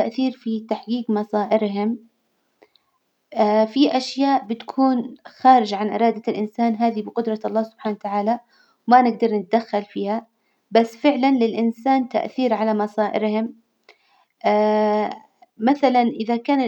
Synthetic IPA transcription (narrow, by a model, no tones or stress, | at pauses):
aʔθiːɾfit̪aħɡiːɡmɑsˤɑːʔɪɾɦʊm | afiʔaʃjaːʔbɪt̪kʰuːnxaːɾɪd͡ʒʕanʔɪ̰ɾˤɑːd̪alʔɪnsaːnɦaːðibɪqʊd̪ɾˤɑɑlˤːɑːhsʊb̥ħaːnawt̪aʕaːla | wmanɪɡ̚d̪ɑɾˤnɪt̪̚ad̪axːalfiːha | basːfɪʕlanlɪlʔɪnsaːnt̪a̰ʔθiːɾʕalamɑsˤɑːʔɪɾhʊm | ʔː | maθalanʔɪðakaːn